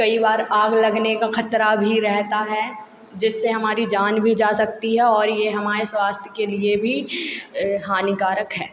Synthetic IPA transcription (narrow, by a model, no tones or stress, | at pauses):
kɐibaːɾaːɡlɐɡnekaxɐt̪ɾabʱiɾɛɦt̪aɦɛ | d͡ʒɪsːeɦɐmaːɾid͡ʒaːnbʱid͡ʒaːsɐk̚t̪iɦɛɔːɾjeɦɐmaːɾeswaːst̪ʰjəkeliebʱi | ɦaːnikaːɾəkɦɛː